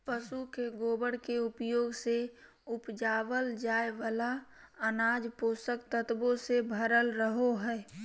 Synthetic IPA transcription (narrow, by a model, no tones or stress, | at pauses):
pəsukeɡoːbəɽkeʊpjoːɡse | ʊpd͡ʒaːʋəld͡ʒaːeʋala | ənaːd͡ʒpoːsəkt̪ət̪bõsebʱəɾəlɾəɦoɦɛː